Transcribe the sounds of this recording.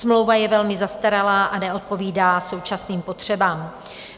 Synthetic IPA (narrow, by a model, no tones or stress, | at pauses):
smlo̞wvajɛvɛlmɪzast̪aɾalaːʔanɛo̞t̪̚po̞viːdaːso̞wt͡ʃasniːmpo̞t̪r̝̥ɛbaːm